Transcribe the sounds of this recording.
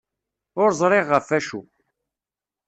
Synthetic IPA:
ʊɾzˤɾˤɪʁːəfæʃṵ

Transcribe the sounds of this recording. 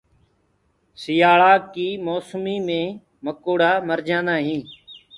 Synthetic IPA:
sɪjaːɭaːkiːmoːsmiːmẽː | məkoːɽaːməɾd͡ʒãːnd̪ãːɦĩː

